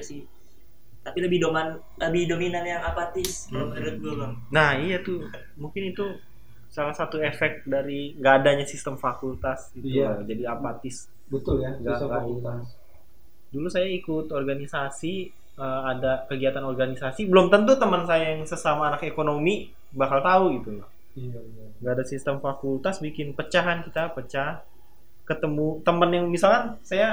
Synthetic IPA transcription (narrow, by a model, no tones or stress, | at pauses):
si | t̪apiləbɪhdoman | ləbɪhdominanjaŋapat̪ɪsbʊməɾʊt̪̚dulunahijat̪u | muŋkɪnit̪u | salahsat̪uefɛk̚t̪̚daɾiŋɡaːdaɲasist̪əmfakult̪asit̪uad͡ʒadiapat̪ɪs | bət̪ʊljaŋɡaaakua | dulusajaikʊt̪ɔrɡanisasi | əadakəɡiat̪anɔrɡanisasibəlumt̪ənt̪̬ut̪əmənsajajaŋsəsamaːnakekonomi | bakalt̪auit̪u | ŋɡaːdasist̪əmfakult̪asbikɪnpət͡ʃaɦankit̪apət͡ʃah | kət̪əmut̪əmənjaŋmisalkansaja